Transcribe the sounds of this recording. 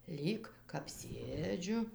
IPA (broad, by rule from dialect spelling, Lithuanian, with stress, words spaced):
ˈlʲiːk kɐp ˈsʲeːd͡ʒʲʊ